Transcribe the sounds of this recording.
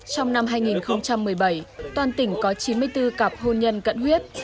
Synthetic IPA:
t͡ɕɔ˧wŋ͡mna˧mɦaː˧jŋi˨˩nxə˧wŋ͡mt͡ɕa˧mːɨ˨˩əjɓə˧˩jt̪waː˧nt̪ï˧˩ŋ̟kɔ˨˦t͡ɕi˨˦nmɨ˧əjt̪ɨ˧kaː˨˩p̚ho˧nɲə˧nkə̰˧˨nhwi˦˥ət̚

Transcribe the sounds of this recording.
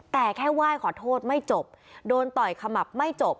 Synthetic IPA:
t̪ɛː˨˩kʰɛː˥˩waː˥˩jkʰɔː˩˦t̪ʰoː˥˩t̪̚ma˥˩jt͡ɕo˨˩p̚doː˧nt̪ɔ˨˩jkʰa˧ma˨˩p̚ma˥˩jt͡ɕo˨˩p̚

